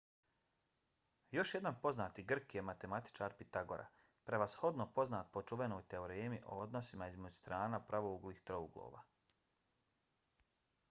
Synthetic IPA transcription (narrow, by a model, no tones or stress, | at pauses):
jo̞ʃje̞d̪anpo̞znaːt̪iɡr̩kjemat̪e̞mat̪i̥t͡ʃaːɾpit̪aɡo̞̰ɾʔa̰ | pɾeʋasho̞d̪nopo̞znaːt̪̚po̞t͡ʃuʋe̞no̞ːjt̪e̞oɾeːmiʔo̰od̪no̞simaizmed͡ʑust̪ɾaːnapɾʔaʋouɡliːxt̪ɾouɡlˠo̰ːʋa̰ː